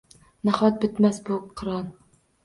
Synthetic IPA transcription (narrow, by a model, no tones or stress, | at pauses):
næχɒt̪̚bɪt̪mɛsbuqʰɨɾɑn